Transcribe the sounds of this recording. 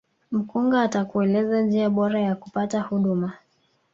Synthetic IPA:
m̩kuŋɡaːtakuɛlɛzand͡ʒiaɓɔɾajaku̥patahuɗuma

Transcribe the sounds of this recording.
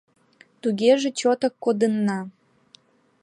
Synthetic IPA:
t̪uɣeʒĕt͡ɕot̪əkːod̪ənːɑ

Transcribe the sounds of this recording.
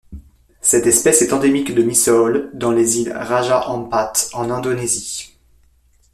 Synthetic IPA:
sɛt̪ɛspɛsɛt̪ɑ̃d̪emikd̪əmisɔld̪ɑ̃lezilʁaʒaʔɑ̃pat̪ɑ̃nɛ̃d̪onezi

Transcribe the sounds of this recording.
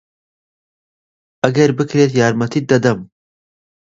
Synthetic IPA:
ʔɐɡɐɾbɨkɾeːt̪jaːɾmɐt̪ʰiːt̪̚d̪ɐd̪ɐm

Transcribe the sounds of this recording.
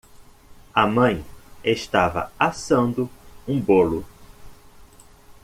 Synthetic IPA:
ɐmɐ̃j̃eʃt̪avɐ̰asɐ̃nd̪ʊũbolʊ

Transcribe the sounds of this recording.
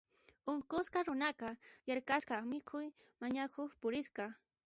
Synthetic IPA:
ʊŋkʊsqaɾʊnakajaɾkaskɑmɪkʰʊj | maɲakʰoχpʊɾɪsqɑ

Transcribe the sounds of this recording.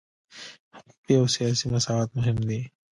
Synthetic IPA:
hpiosijaːsimɐsaːaːt̪̚mʊɦɪmd̪iː

